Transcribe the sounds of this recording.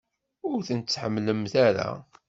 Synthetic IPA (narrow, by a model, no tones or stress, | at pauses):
ʊɾθənt͡sːħəmːləmθæɾa̰